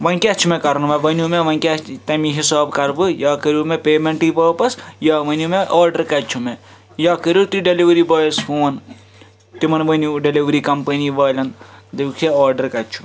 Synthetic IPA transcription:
ʋɐnkʲɐt͡ʃʰumekɐɾɐnʋɐʋɐnumeʋɐŋkʲat̪ɐmiɦisaːbkɐɾbɨjaːkəɾumepeːmeɳʈiʋɐːpɐsjaːʋɐnumeʔɔːɾɖɐɾkɐt͡ʃʰume | jaːkəɾut̪iɖeliʋɐɾibɐːjshuːɐn | t̪imɐnʋɐnuɖeliʋɐɾikɐmpɐniʋɐːlʲɐnd̪ekʰeɔːɾɖɐɾkɐt͡ʃʰu

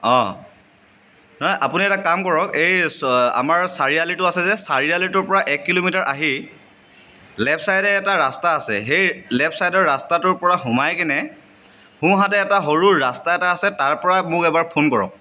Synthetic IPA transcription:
ɔ̃ | nɔjʔa̰puniɛtakamkɔɹɔkeja̰maɹsaɹialitʊasɛzɛsaɹialitʊɹpɔɹaʔɛkːilomitaɹʔaɦi | lɛpʰsajdɛːtaɹastaːsɛ̰ɦejlɛpʰsajdɔɹːastatʊɹpɔɹaɦʊ̃majkɛnɛ | hũɦatɛːtaɦoɹuːastaɛtaːsɛtaɹpɔɹamʊkɛbaɹpʰonkɔɹɔ̰k̚

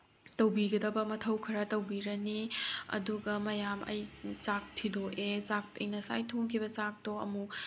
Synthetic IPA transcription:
tɐwbiɡɐdɐbɐmɐtʰɐwkʰɐɾɐtɐwbiɾɐniɐ̰duɡɐmɐjamɐ̰jt͡ʃak̚tʰidoʔezak̚pḛŋnɐsa̰jtʰoŋkʰibɐt͡ʃak̚toɐ̰mu

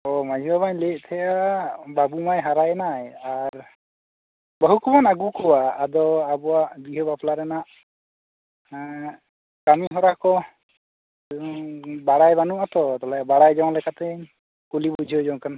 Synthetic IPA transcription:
ɔmad͡ʒʱibabaɲlɛʔ̚ˀt̪ʰɛjababumajɦaɾajɛnajaɾ | bəɦukʰubanaɡukʰɔwaːd̪ɔabɔaʔbiɦəbapʰlaɾɛnaʔ | kamiɦɔɾakɔ | baɽajbanuʔat̪ɔt̪ɔlajabaɽajd͡ʒaw̃lɛkat̪ɛ | kulibud͡ʒʱiəd͡ʒɔw̃kan

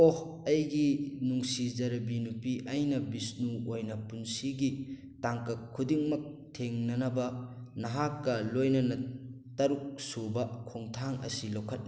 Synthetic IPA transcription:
ohɐjɡinuŋsizɐɾɐbinupiʔɐjnɐbisnuojnɐpunsiɡi | taŋkɐkʰːudiŋmɐk̚tʰeŋnɐnɐbɐnɐɦakːɐlojnɐnɐ | tɐɾuk̚sobɐkʰoŋtʰaŋɐ̰silokʰːɐt̚ni

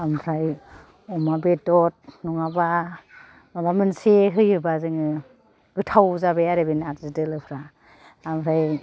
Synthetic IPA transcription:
amɾaj | ɔmabetɔt̚nɔŋaba | nabamɯnseɦɯjɯbazɯŋɯ | ɡɯtʰawzabejaɾebenatzɯdɯlɯpʰɾa | amɾaj

